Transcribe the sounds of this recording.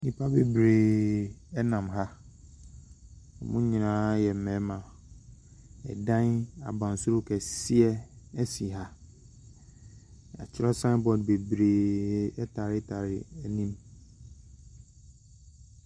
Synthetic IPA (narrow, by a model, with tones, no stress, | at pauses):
nĩ˨pʰa˦be˨bɾe˨ | ɛ˦nã˨mɦa˦ | ɔ˨mʊ̃˦ɲĩ˨nãː˦jɛ˨m̩˨mɛ̃˨˦mã˨ | ɛ̰˨dã˦na̰˨bã˨n˨sʊ˦ɾʊ˦kʰɛ˨sɪ˦ɛ˦ɛ˦si˨ɦa˦ | a̰˨t͡ɕʰɪ˦ɾɔ˦sã˦bɔ˨dbe˨bɾeː˨ɛ˦tʰa˨ɾɪ˦tʰa˨ɾɪ˦˨ɛ˦nĩ˦m